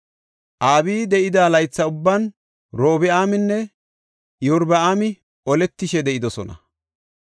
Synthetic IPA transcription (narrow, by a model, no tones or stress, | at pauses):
ʔaːbiːd̪ɛʔɪd̪aːlɐjt͡sːɐʊbːɐn | ɾo̞ːbɪaːmɪnːɛ | jɔɾbɐaːmɪ | ʔɔlɛt̪ːɪʃɛd̪ɛʔɪd̪ɔsɔ̰nɐ̰